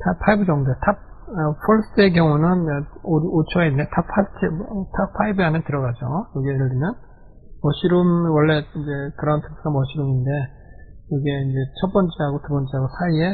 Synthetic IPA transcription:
tʰapʰaibɯd͡ʑʌŋdoetʰap̚ʌpʰoɭs͈ɯek̬jʌŋunɯnoot͡ɕʰʌenːetʰapʰat͡ɕʰitʰap̚fʰaibɯɦanɯntɯɾʌɣad͡ʑojʌɡieɯɭɾimjʌn | mʌɕʰiɾumwʌɭːe̞ind͡ʑe̞kɯɾʌntʰe̥k̚s͈ʰɯɡamʌɕʰiɾuminde̞ | jʌɡeind͡ʑe̞t͡ɕʰʌt̚p͈ʌnt͡ɕ͈eɦaɡotubʌnt͡ɕ͈eɦaɡosʰaie̞

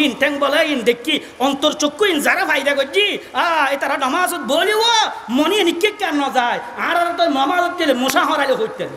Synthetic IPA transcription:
inʈeŋbɔleind̪ekʰːi | ɔnt̪ɔɾt͡ʃokːuinzaɾapʰajd̪aɡɔd͡ʒiaet̪aɾaɖɔmasɔt̪̚boliwɔmɔnienikikːanːɔzajãɾaɾɔnt̪ɔjmɔmasɔt̪ːilemosaɦɔ̃ɾalɔɦot̪ːali

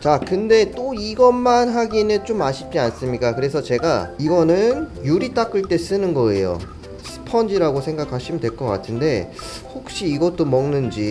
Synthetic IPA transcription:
t͡ɕakɯnde̞t͈oiɡʌːanɦaɡinɯt͡ɕomaɕʰip̚t͡ɕ͈ians͈ɯmɲik͈akɯɾe̞sʰʌt͡ɕe̞ɡa̰iɡʌnɯnjuɾit͈ak͈ɯɭt͈e̞s͈ɯnɯnɡʌe̞̰jo̰ | sʰɯ̥pʰʌnd͡ʑiɾaɡosʰe̞ŋɡakʰaɕʰimindwe̞ɭk͈ʌk͈a̰tʰɯnde̞ | hok̚ɕ͈iːɡʌt͈omʌŋnɯnd͡ʑi

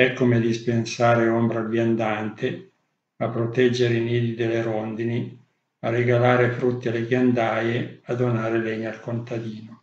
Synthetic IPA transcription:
ɛkːomed̪ispensaːɾeombɾaɡjand̪ant̪e | apːɾot̪ɛd͡ʒːeɾeiniːd̪id̪eleɾond̪ini | areɡalaːɾefɾut̪ːialeɡjand̪aːjead̪onaːɾeleɲːaalkont̪ad̪iːno

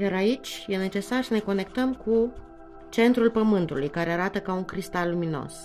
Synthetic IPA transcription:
jaɾait͡ʃʲje̞ne̞t͡ʃe̞sarsəne̞ko̞ne̞kt̪əmku | t͡ʃe̞nt̪ɾulpəmɨnt̪ulujkaɾe̞aɾat̪əkauŋkɾist̪alːumino̞̰s

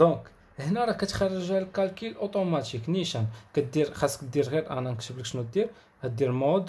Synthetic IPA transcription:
d̪ɔ̃k | əhnæɾˤɑkæt̪xɑrˤːəʒæləlkælkilʔot̪ˤomɑt̪ikniʃænkæt̪̚d̪iɾxæsːkət̪d̪ːiɾɣiɾʔæ̰nænkʃəbləkʃnut̪̚d̪iɾ | kæt̪̚d̪iɾmod̪

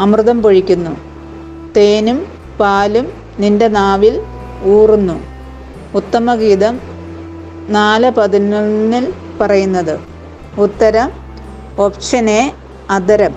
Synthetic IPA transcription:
ɐmrɨðɐmpo̞ɻikʲːunːu | t̪eːnum | paːlum | nindenaːʋil | uːrunːu | ut̪ːɐmɐɣiːd̪ɐm | naːlɨpɐðinunːilpɐrɐjunːɐðɨ | ut̪ːɐɾɐm | oːpʂɐne | ɐd̪ɐɾɐm

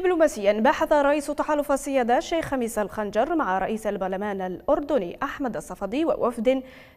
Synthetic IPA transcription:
ɪbluːmaːsɪjːanbaːħaθaɾˤɑʔiːst̪aħaːlʊfasːɪjaːd̪aːʃːejxːamiːsalxand͡ʒɑɾˤmaʕaɾˤɑ̰ʔiːsalbaɾˤlamaːnalʔʊɾd̪ʊnḭːʔaħmad̪ɑsˤːɑfɑd̪ˤiːwa̰wʔafd̪

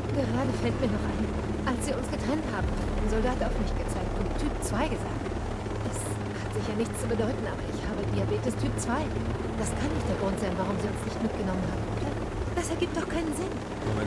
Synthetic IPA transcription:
ɡ̥əʁaːdəfɛltmiːɐnɔχʔaɪn | ʔalsz̥iːɐʊnsɡ̥ətʁ̥ɛnthaːbm̩adɪnzɔldaːtaʊfmɪçtɡ̥ət͡saɪk̚tʊntʰːyːp̚t͡sv̥aɪɡəza̰ːk̚t | d̥as | hatz̥ɪçɐnɪçt͡st͡subədɔʏtn̩ʔaːbɐɪçhaːbədiabeːtɪstʰyːp̚t͡sv̥aɪ | d̥askʰanːɪçt̚d̥eːɐɡʁʊntz̥aɪnvaʁ̞ʊmziːʊnsnɪçtmɪt̚ɡ̥ənɔmənhaːbm̩dɐ | d̥asɛɐɡiːp̚td̥ɔχkʰaɪnənzɪn

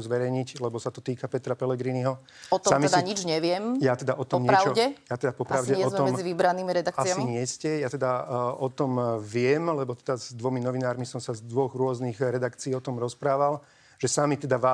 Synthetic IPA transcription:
uzʋɛɾɛjɲiclɛbɔsat̪ɔt̪iːkapɛt̪ɾapɛlɛɡɾiːniɦɔ | ɔt̪ɔamiɛsd̪ɲid͡ʒɲɛʋɪɛmjat̪ɛd̪aʔɔt̪ɔmɲɾɛat͡ʃɔɟɛjat̪ɛd̪apɔpɾɾaʊɟɛɪɛɔzmɛɔmɛmd͡ziʋibɾaniːmiɾɛd̪akkaɪsamiɲɪɛscɛjaːt̪ɛd̪aɔt̪ɔmʋɪɛmlɛbɔt̪ɛd̪azd̪ʋɔminɔʋinaːɾmisɔmsazd̪ʋɔɣɾʊɔzniɣɾɛd̪akt͡siːɔt̪ɔmɾɔspɾaːʋal | ʒ̥ɛsamit̪ɛd̪aʋaː

